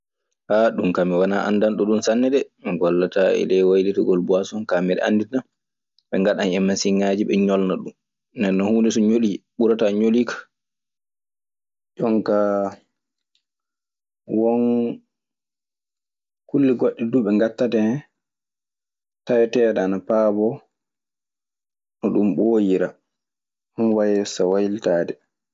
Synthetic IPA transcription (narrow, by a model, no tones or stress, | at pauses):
haɗumkamiwanaʔa̰ndanɗɔɗunsanːɛdɛmiɡɔlːataɛ̰lɛwajlitɔɡɔlbuasɔnkamɛɗɛ̰ʔa̰ndinan | ɓɛŋɡaɗanɛmːasiŋːad͡ʒiɓɛɲɔlnaɗum | nːdɛnːɔhuːndɛsɔɲoliɓuɾataɲolikḁ | d͡ʒɔŋka | wɔn | kulːiɡɔɗːɛduɓɛŋɡatːatɛ | tajtɛːɗaːnapaːbɔ | nɔɗumɓoːjiɾa | hunwajɛsawajiltaːdɛ